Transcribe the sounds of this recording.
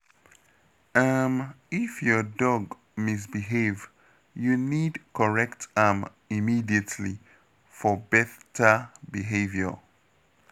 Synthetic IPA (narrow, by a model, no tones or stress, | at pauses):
am | ifjɔdɔɡ | mis̬biɦev | junidkʰɔɹɛktʰam | imidiətʰli | fɔbɛθtʰəbiɦevjə̰